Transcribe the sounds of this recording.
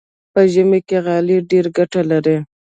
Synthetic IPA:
pəʒəmekeɣɑliɖeɾɡaʈalaɾe

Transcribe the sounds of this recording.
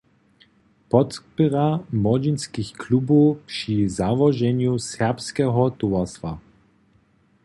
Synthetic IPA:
pɔt̪pɨʁamɔd͡ʒinskixklubupʂizavɔʒɛɲjusɛʁpskɛɦɔt̪uvast̪va

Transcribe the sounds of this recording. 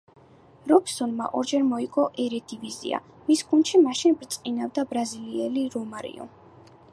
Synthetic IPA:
ɾɔbsɔnma̰ʔɔɾd͡ʒɛɾmɔikʼɔʔɛɾɛd̪ivizḭa̰ | misɡ̥unʃimaʃinbɾt̪sʼqʼinavd̪abɾaziliɛliɾɔmaɾḭɔ̰

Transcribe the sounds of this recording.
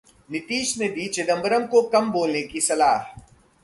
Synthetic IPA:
nɪt̪iːʃned̪iːt͡ʃed̪ə̃mbəɾəmkokɐmboːlnekisɐlaːɦ

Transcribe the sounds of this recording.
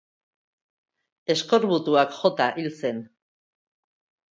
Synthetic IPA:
e̞sko̞ɾβut̪uakʝo̞t̪aʔilt͡se̞n

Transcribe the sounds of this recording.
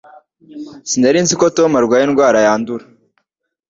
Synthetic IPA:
sindaɾinzikotomaɾɡwaːjenɡwaːɾajaːnduɾa

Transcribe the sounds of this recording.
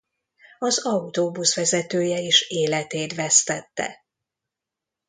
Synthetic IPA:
ɒzɒut̪oːbusʋɛzɛt̪øːjɛeːʃeːlɛt̪eːt̪vɛst̪ɛt̪ːɛ̰

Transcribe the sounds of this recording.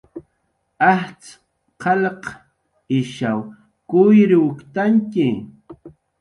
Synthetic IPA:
aht͡s | qʰɑlq | ɪʃaw | kʊjɾɪwʊkt̪aŋkɪ

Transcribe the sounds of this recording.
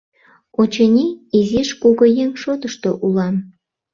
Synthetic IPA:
ot͡ɕenʲiiziʃkuɣojeŋʃot̪əʃt̪oʔulɑm

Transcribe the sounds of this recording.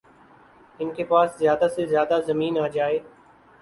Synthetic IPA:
ɪnkʰeːpaːszjaːd̪asezjaːd̪azəmiːnaːd͡ʒaːeː

